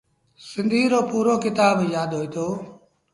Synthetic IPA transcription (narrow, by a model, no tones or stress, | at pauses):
sɪ̃nd̪ʱiːɾoːpuːɾoːkɪt̪aːbjaːd̪ɦoːeːt̪ʰoː